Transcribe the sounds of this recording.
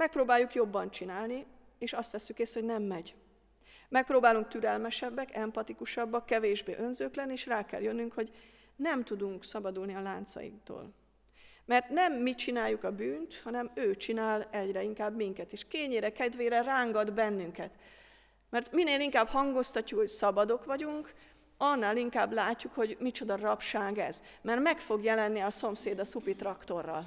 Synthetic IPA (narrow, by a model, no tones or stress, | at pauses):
mɛk̚proːbaːjːukjo̞bːɒnt͡ʃinaːlni | eːʃɒst̪ʋɛsːykeːst̪ho̞ɟnɛmːɛɟ | mɛk̚proːbaːluŋk̚t̪yɾɛlmɛʃɛbːɛkɛmpɒt̪ikuʃɒbːɒkːɛveːʒbḛːʔø̞nzøːklɛnːieːʃraːkɛ̰ljønːyŋkho̞ɟ | nɛmt̪ud̪uŋksɒbɒd̪ulniɒlaːnt̪sɒ̰jḭkt̪o̰ːl | mɛrt̪nɛmːit͡ʃinaːjːukɒbyːnt̪hɒnɛmøːt͡ʃinaːlɛɟrɛiŋkaːbmiŋkɛt̪eːʃkeːɲːeːɾɛkɛd̪ʋeːɾɛraːŋɡɒd̪bɛnːyŋkɛt̪ | mɛrt̪mineːliŋkaːbhɒŋɡost̪ɒcːukho̞csɒbɒd̪o̞kʋɒɟuŋk | ɒnːaːliŋkaːblaːcːukho̞ɟmit͡ʃo̞d̪ɒrɒpʃaːɡɛ̰zmɛrtmɛkfo̞ɡjɛlɛnːiɒso̞mseːd̪ɒsupit̪rɒkt̪o̞rːɒ̰l